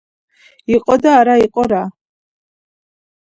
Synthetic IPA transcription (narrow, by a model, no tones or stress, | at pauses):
iqʼɔd̪aːɾaiqʼɔɾa